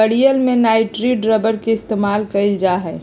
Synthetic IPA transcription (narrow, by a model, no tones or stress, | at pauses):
əɽijəlmẽnaːɪʈɾiɖɾəbəɾkeɪst̪eːmaːlkəɪld͡ʒaɦɛː